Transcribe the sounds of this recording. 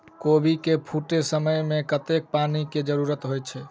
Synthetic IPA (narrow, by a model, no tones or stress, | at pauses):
kobʱikepʰuʈesəməjmẽkət̪ek̚paniked͡ʒəɾuɾət̪ɦojt͡ʃʰɛ